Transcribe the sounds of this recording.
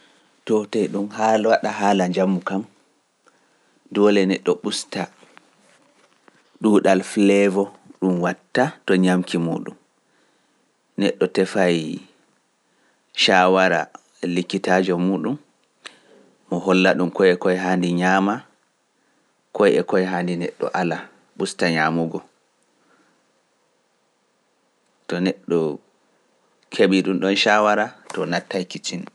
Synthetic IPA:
tɔtɛjɗumhawaɗaɦaːlaɲd͡ʒamːukam | dɔlɛnɛɗːɔɓusta | ɗuːɗalflɛvɔ | ɗumwatːatɔɲamkʰimṵːɗum | nɛɗːɔtɛfaj | ʃaːwaɾa̰ | ɛlikːitaːd͡ʒɔmuːɗum | ɔɦɔlːaɗumkɔjɛkɔjɦandiɲama | kʰɔjɛkɔjɛɦaːndinɛɗːɔ̰ʔala | ɓustaɲaːmuɡɔ | tɔnɛɗːɔ | kʰeɓiɗumɗɔnʃawaɾatɔnatːajkit͡ʃin

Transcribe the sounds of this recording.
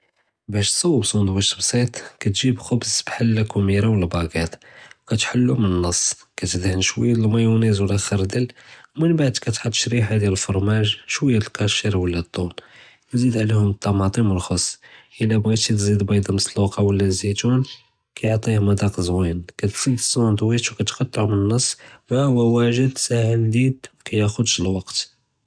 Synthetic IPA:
bæʃt̪sˤɑwːəbsˤund̪wæʃt̪bsˤit̪ˤkæt̪ʒibxʊbzbħəlːækumiɾawlæbɑɡæt̪wkæt̪ħəlːumənənːɑsˤː | kæt̪əd̪hənʃwəjːæt̪əlmæjunizwəlæxəɾˤd̪əlmənbaʕd̪kæt̪ħəd̪ːʃɾiħad̪jæləlfoɾˤmæʒʃwəjːæəlkæʃəɾwəlːæt̪ˤːun | wzid̪ʕlihʊmət̪ˤːɑmɑt̪ˤiməlxɑsˤːʔəlːæbɣit̪it̪zid̪bɑjd̪ˤɑməsluqɑwəlːænzit̪un | kæjoʕt̪ˤihmɑd̪ɑqzwinkæt̪z̥id̪əsˤund̪ˤwit̪wkæt̪qɑt̪ˤːʕumənənːɑsˤːwæwæwæʒəd̪sæhəld̪id̪̚kæjæxʊd̪ʃlwɑqt̪

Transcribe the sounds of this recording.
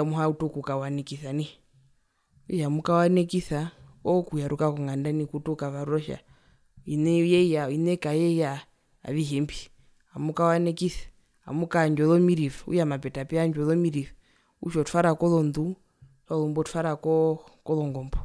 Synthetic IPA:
amuɦautukukawanɛkiθani | ujamukawanɛkiθaɔkujaɾukakɔŋɡandanikutukaβaɾuɾɔʃa̰ | inɛjɛjainɛkajɛja | a̰βiɦɛmbi | amukawanɛkiθḁ | a̰mukaɲd͡ʒɔðɔmiɾifuṵjamapɛtapɛaɲd͡ʒɔðɔmiɾifɛ | ṵʃɔtu̥faɾakɔlɔndu | hɔlɔmbɔtu̥faɾakɔ | kɔlɔŋɡɔmbɔ

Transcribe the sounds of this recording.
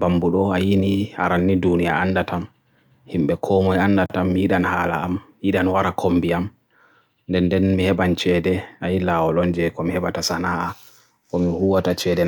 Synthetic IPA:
bambuɗɔajinia̰ɾanːidunijaanːdatam | himɓɛkʰɔmɔjandatamːihiɗanhaːla̰ːmhiɗanwaɾakʰombiam | ndɛndɛnmihɛɓant͡ʃɛdɛajilawɔlɔnd͡ʒɛkɔmihɛɓatasanaha | kɔmihuwatat͡ʃɛdɛ

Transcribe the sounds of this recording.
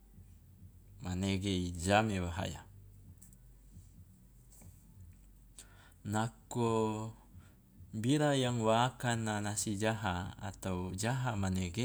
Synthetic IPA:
maneɡeid͡ʒamewaɦa̰ja̰ | nako | biɾajaŋwaːkanːanasid͡ʒaɦaa̰t̪awd͡ʒaɦamaneɡe

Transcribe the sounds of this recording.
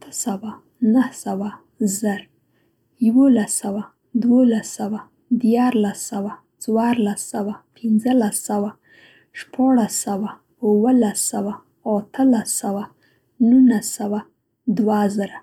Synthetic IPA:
at̪ʰəsawa | nahsawa | zəɾ | jawolasawa | d̪wolasawa | d̪jɑɾlasawa | t͡swɑɾlasawapʰɪnzəlasawa | ʃpɑɽasawa | ʊwəlasawa | at̪əlasawa | nunasawa | d̪wazəɾa

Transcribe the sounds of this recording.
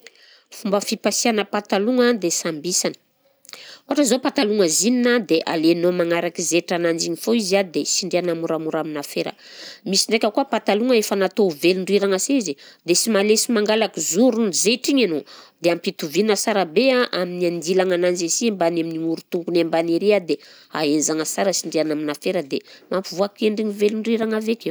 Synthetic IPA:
fumbəfipasianəpat̪aluŋad̪esambisanə̥ | oɦaʈ͡ʂəzopat̪aluŋəzininad̪eʔa̰lenomaŋaɾakizeʈ͡ʂanand͡ʒiɲifoiziad̪esiɳɖ͡ʐeanamuɾamuɾaminafeɾə̰misiɳɖ͡ʐekʲəkuəpat̪aluŋəefənat̪oveliɳɖ͡ʐuiɾaŋasezid̪esimalesimaŋɡalakizuɾunizeʈ͡ʂiɲanod̪eampit̪uvinəsaɾabeaʔaminiand̪ilaŋanand͡ʒesiembaneminiuɾut̪uŋɡunembaneɾiad̪e | a̰enzaŋəsaɾəsiɳɖ͡ʐeanaminafeɾəd̪emampivuakeɳɖ͡ʐiɲiveliɳɖ͡ʐiɾaŋaveke

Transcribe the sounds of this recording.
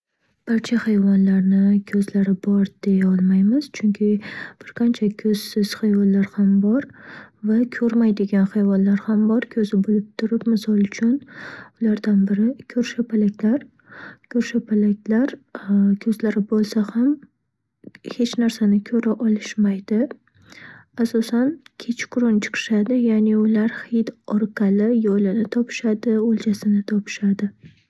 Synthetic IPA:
b̥aɾt͡ʃʰahajvɒnlaɾnɪkʲʰɵzlaɾɪbɒɾd̪̥e̞jaɒlˠmajmɪz̥t͡ʃʰʊŋkʲʰɪb̥ɪɾqʰant͡ʃʰakʲʰɵz̥sɪz̥hajvɒlːaɾhambɒɾvakʲʰɵɾmajd̪ɪɡʲanhajvɒnlaɾhambɒɾkʲʰɵzɪbolɪp̚t̪ʰʊɾɪpmɪsɒlˠʊt͡ʃʰʊnʊlaɾd̪anbɪɾɪkʲʰɵɾʃɪpʰalakʲlaɾ | kʰʲɵɾʃapʰalakʲlaɾkʲʰɵzlaɾɪbolˠsaham | he̞t͡ʃnaɾsanɪkʲʰɵɾaʔɒlˠɪʃmajd̪ɪ | asɒsankʲʰet͡ʃʰkʰʊɾʊnt͡ʃʰɨ̥qʰɨ̥ʃad̪ɪjaneʊlaɾhed̪ɒɾqʰɑlɪjolɪnɪt̪ʰɒpʰɪ̥ʃad̪ɪolˠt͡ʃʰasɪnɪt̪ʰɒpʰɪ̥ʃad̪ɪ

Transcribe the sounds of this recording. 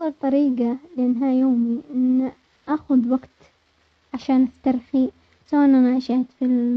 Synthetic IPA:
ɑlt̪ˤɑɾiːɡalɪʔanːɦajoːmiʔɪnː | ʔaːxʊðwaɡt̪ | ʕaʃaːnʔaft̪aɾˤxi | sawaʔɪnʔanaʕaʃaht̪fil

